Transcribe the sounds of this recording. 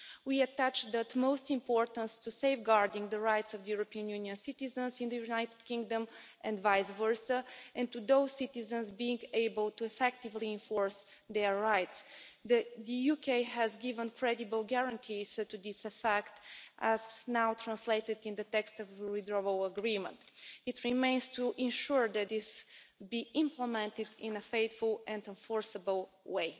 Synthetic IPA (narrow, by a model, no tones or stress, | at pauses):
wiətæt͡ʃðət̪moʊstɪ̃mpɔɹt̪ə̃nstuseɪfɡɑɹdɪ̃ŋðəɹaɪtsɔvðəjuɹopiə̃njuniə̃nsit̪izə̃nzɪ̃nðəjunajtɨd̥̪̚kɪ̃ŋɡdə̃mʔɛ̃ndvaɪsvəɹsəʔɛ̃nt̪uðoʊz̥sit̪ɪzə̃nzbiɪ̃ŋɡeɪbəlˠtuɛfɛk̚t̪ɪvliɪ̃ɱfɔɹs | ðɛːaɪtsðədəjukʰeɪɦæzɡivə̃nkʰɹɛdibəlˠɡɛɹə̃nt̪ʰiz̥tud̪isəfɛktʔæznawt̪ʰɹãnsleɪtɨd̪ĩnd̪ət̪ɛkstɔvɹidɹɔvələɡɹĩmə̰̃ntit̪ɹimẽɪ̃nz̥tʰuʔɪ̃nʃuɹd̪æt̪̚dɪsbiʔɪ̃mpləmɛ̃nt̪ɪd̪ɪ̃nəfeɪt̪fulˠɛ̃ndə̃nfɔɹsəbəlˠ | weɪ